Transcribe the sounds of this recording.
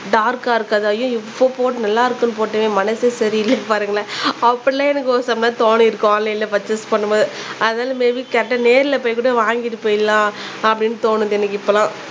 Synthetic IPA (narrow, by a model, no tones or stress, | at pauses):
ɖaːɾkaːɪɾɯkːaːðɯɐjʊ̃ɪpːopoːʈɯnɐlːaːɪɾɯkːɯnɯp̬oːʈːɐʋẽːmɐnɐsesɐɾiɪlːɐpaːɾɯŋɡɐɭaɐpːɐɽlãːɛnɐkːɯosɐmlãːt̪oːniɪɾɯkːlːɐɪlːɐpɐt͡ʃːɐspɐɳːɯmboːðɯɐðɐnaːlɐmeːʋikɛʈːɐneːɾɪlɐpoːjkuːɽɐʋaːŋɡɪʈːɯpoːjɪlːãː | ɐpːɐɽɪnːɯt̪oːnɯðɯɛnːɐkːɯɪpːoːlãː